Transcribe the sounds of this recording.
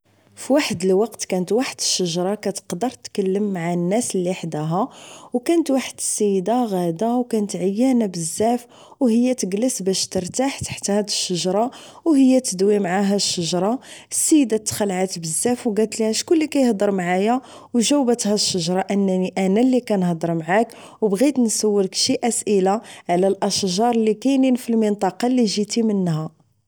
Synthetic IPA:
fiwaħəd̪əlwɑqt̪kænət̪waħəd̪ə̥ʃːəʒɾˤɑkæt̪ə̥qd̪əɾˤt̪kəlːəmːaʕanːæslːiħd̪æɦæwkænət̪waħəd̪əsːəjːd̪aɣæd̪awkænət̪ʕəjːænabəzːæf | whəjːæt̪əɡləsbæʃt̪əɾt̪aħt̪ḁħt̪hæd̪əʃːəʒɾˤɑ | whəjːæt̪əd̪wimʕaɦæʃːəʒɾˤɑsːəjːəd̪at̪ːxəlʕat̪bəzːæfwɡælt̪liæʃkʊlːikæjəhd̪ˤəɾmʕajæ | wʒæwbət̪hæʃːəʒɾˤɑʔənːæniʔænælːikænhd̪ˤəɾˤmʕak | wbɣit̪nsəwːəlkʃiʔæsʔəlaʕlælʔəʃʒɑɾˤlːikæjninfilmənt̪ˤɑqɑliʒit̪imənːhæ

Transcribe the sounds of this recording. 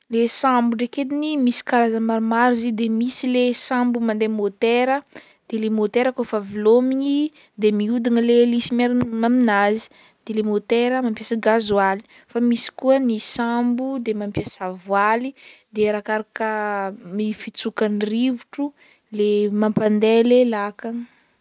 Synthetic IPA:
lesambuɖ͡ʐeked̪inimisi̥kaɾazamaɾumaɾizid̪emisilesãmbumand̪emot̪eɾə | d̪̥elemot̪eɾəkofavilomiɲi | d̪emiud̪inəlelisimaɾmaminazi̥ | d̪̥elemot̪eɾəmampjasaɡazuali | famisi̥kuənisambud̪emampjasavwalid̪eɾakaɾakəmifit͡sukanirivuʈ͡ʂu | lemampand̪elelakaŋ

